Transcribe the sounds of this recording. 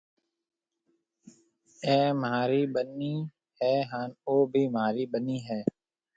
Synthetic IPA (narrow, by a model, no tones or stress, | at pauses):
ɛːmɦaːɾiːbənːiː | ɦɛːɦaːnoːbʱiːmaːɾiːbəniːɦɛː